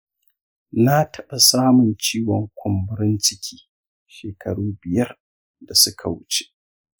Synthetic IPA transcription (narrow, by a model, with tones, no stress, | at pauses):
na˦tʰɐ˦ɓa˨saː˦mʊ˨nt͡ʃiː˦wɔ˨ŋkʷʰʊ˨mbʊ˦ɾɪ˦nt͡ʃɪ˦kʲʰi̥ː˦ | ʃeː˨kʰɐ˨ɽuː˦bɪ˨jɐ˦r | da˨sʊ˦kʰa˨wʊ˦t͡ʃe̥˦ʔ